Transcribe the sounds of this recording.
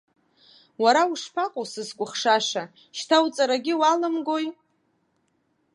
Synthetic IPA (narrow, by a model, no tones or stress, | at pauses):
waɾauʂpʰaqʼosɨzkʷʼʊχʂaʂa | ʃtʰawt͡sʼaɾaɡʲɪwalɨmɡo̞j